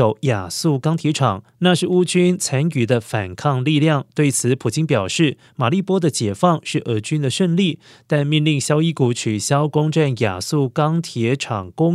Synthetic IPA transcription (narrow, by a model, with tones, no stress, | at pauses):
o˧˩ʊja˨˩su˥˩kɑ˥ŋt̪ʰjɛ˧˥ʈ͡ʂʰɑ˨˩˦ŋ | na˥˧ʂɻ̩˥˩u˥t͡ɕy˥nt͡sʰa˧˥ny˨˩d̪ə˦fa˨˩nkʰɑ˥˧ŋli˥˧ljɑ˥˩ŋt̪we˥˩ɪt͡sʰɹ̩˨˧˦pʰu˨˩t͡ɕi˥npjɑ˨˩ʊʂɻ̩˥˩ | ma˨˩li˥˩pwɔ˥d̪ə˨t͡ɕjɛ˨˩fɑ˥˧ŋʂɻ̩˥˩ʔə˧˥t͡ɕy˥nd̪ə˨ʂə˥˧nli˥˩ | t̪a˥˧nmi˥˧nli˥˩ŋɕjɑ˥ʊi˥ku˧˥t͡ɕʰy˨˩ɕjɑ˥ʊkʊ˥ŋʈ͡ʂa˥˩nja̰˨˩su˥˩kɑ˥ŋt̪ʰjɛ˧˥ʈ͡ʂʰɑ˨˩ŋkʊ˥ŋ